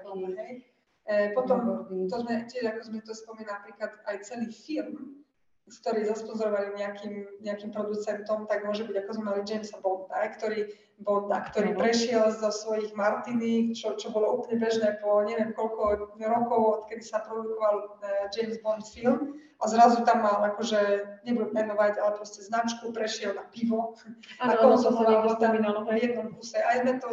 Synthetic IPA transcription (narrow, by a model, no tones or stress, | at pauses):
ɦɛj | pɔt̪ɔmt̪ɔzmɛcɪɛʒakɔzmɛt̪ɔspɔmiːnaapɾiːklat̪ajt͡sɛliːfilm | skt̪ɔɾiːzaspɔzɔɾɔʋaliɲɛakiːmɲɛakimpɾɔd̪ut͡sɛnt̪ɔmt̪aɡmʊɔʒɛbiɟakɔzmɛmalid͡ʒɛjmsabɔnd̪aɦɛkt̪ɔɾiː | bɔnd̪akt̪ɔɾiːpɾɛʃɪɛlzɔsʋɔjiɣmaɾt̪init͡ʃɔt͡ʃɔbɔlɔuːplɲɛbɛʒnɛːpɔɲɛʋɪɛmkɔlkɔɾɔkɔʊɔt̪kɛd̪isapɾɔd̪ukɔʋald͡ʒɛjmzbɔnt̪film | azɾazut̪amːalakɔʒɛɲɛbud̪umɛnɔʋaɟalɛpɾɔscɛznat͡ʃkupɾɛʃɪɛlnapiʋɔaɔɔzɔɔʋaɔd̪aminajɛd̪̚nɔmfkusɛajmɛt̪ɔ